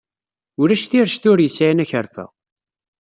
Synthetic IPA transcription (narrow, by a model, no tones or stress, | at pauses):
ʊɾæʃθiɾʃt̪ʊɾjəsnæçəɾfæ̰